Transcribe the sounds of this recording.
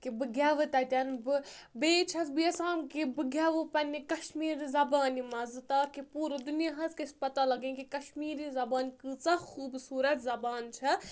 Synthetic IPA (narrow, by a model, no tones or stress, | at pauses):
kibɨɡʱʲaʋɨt̪ɐt̪ʲɐnbɨbeːt͡ʃʰɐsbɨjɐsãːnkibɨɡʲaʋɨpɐnʲikɐʃmiːɾizɐbaːnimɐzɨt̪akipuːɾɐd̪unijaɦɐskispɐt̪alɐɡẽkikɐʃmiːɾizɐbaːnkɨt͡sɐxuːbsuːɾɐt̪zɐbaːnt͡ʃʰɐ